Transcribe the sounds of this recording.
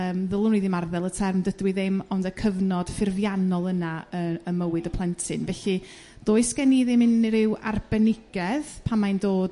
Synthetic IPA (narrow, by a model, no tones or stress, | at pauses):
əːmðəlˠʊniðɪmarðɛlˠətʰɛrmdədwɪðɪmɔndəkʰəvnɔd̥fɪrvjanɔlˠənaəəməwɨdəpʰlˠɛntʰɪnvɛɬɨ | d̥oːɨskɛniðɪmɪnɾɪwa̰rb̥ɛnɪɡ̥ɛðpʰamajndoːd